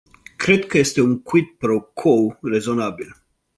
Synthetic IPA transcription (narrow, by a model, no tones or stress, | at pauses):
kɾe̞d̪kəje̞st̪e̞uŋkwit̪̚pɾokʰowre̞zo̞nabil